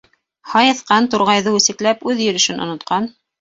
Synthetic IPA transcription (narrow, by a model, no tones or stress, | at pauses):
hɑjɤ̆θqɑnt̪ŏɾʁɑjðɤʉsɘ̆klæpʉðjɵ̆ɾɘ̆ʃɘnʔŏ̰nŏt̪qɑn